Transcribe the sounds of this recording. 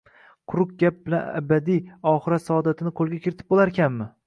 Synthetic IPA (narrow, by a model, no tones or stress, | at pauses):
qʰʊɾʊk̚ɡʲap̚bɪlana̰bad̪ijɒχɨɾat̪sɒɒd̪at̪ʰɪnɪqʰolˠɡʲakʲɪɾɪt̪ʰɪ̥p̚bolˠaɾkʲʰamːɪ